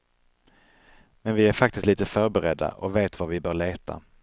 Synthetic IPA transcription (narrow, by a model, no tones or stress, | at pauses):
mɛnvɪæɾfak̚t̪ɪst̪liːt̪əfœɾbɛɾɛd̪ːa̰ʔɔveːt̪vavɪbœːɭeːt̪ʰa̰